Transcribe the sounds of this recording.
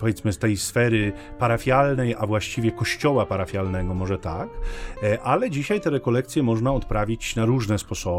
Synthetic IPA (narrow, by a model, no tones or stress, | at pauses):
pɔvjɛt̪smɘst̪ɛjsfɛɾɘ | paɾafʲjalnɛjavwaɕt͡ɕivʲjɛkɔɕt͡ɕɔwapaɾafʲjalnɛɡɔmɔʐɛt̪akʔalɛd͡ʑiɕajt̪ɛɾɛkɔlɛk̚t̪sʲjɛmɔʐnaɔt̪pɾavʲit͡ɕnaɾuʐnɛspɔsɔ